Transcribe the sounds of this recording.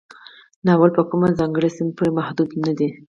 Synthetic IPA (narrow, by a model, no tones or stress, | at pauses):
nɑːwalpəkumazɑŋɡəɽisɪmpuɾemahd̪ud̪nad̪i